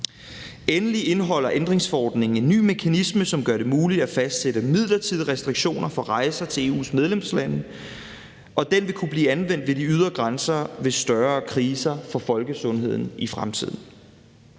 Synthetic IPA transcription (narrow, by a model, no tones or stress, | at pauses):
enəliʔe̝nɦɒ̽l̰ɐʔend̥ʁeŋsfɒɒ̰ːd̥ne̝ŋn̩e̝nːy̰ːme̝kʰænisməsɒ̽mɡ̥ɶɐɾe̝muːlid̥æfæsd̥seɾəmið̞̰ˠlɐt͡sʰið̰ˠʁɛsd̥ʁiɡ̥ɕo̝̰ːnɐfɒ̽ʁɑ̈ɪsɐt͡sʰe̝e̝ːṵːsmeð̞ˠlemslænə | ʔɒ̽d̥enʋe̝kʰub̥liːænʋen̰d̥ʋe̝diyð̞ˠʁɐɡ̥ʁansɐʋe̝sd̥ɶɐːkʰʁiːsɐfɒ̽fɒ̽lɡ̥əsɔ̽nɦe̝ð̞̰ˠn̩ifʁamt͡sʰið̰ˠn̩